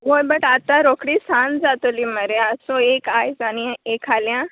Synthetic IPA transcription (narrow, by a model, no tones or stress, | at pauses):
ɦojbəʈat̪ãɾokɽiːsãnd͡zat̪oliməɾeəsoekajd͡zañãekʰaljã